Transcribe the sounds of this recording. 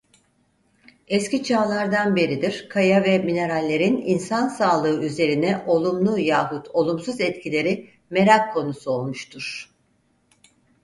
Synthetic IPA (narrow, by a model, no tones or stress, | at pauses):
ɛscʲit͡ʃʰaːlˠaɾd̪anbe̞ɾid̪iɾ̥kʰajavɛmine̞ɾalʲːe̞ɾininsansaːlˠɯɯyze̞ɾinɛʔo̞lˠumlˠujaːɦut̪ʰo̞lˠumsuzɛt̪cʰilʲe̞ɾi | me̞ɾakʰːo̞nusuo̞lˠmuʃt̪ʰuɾ̥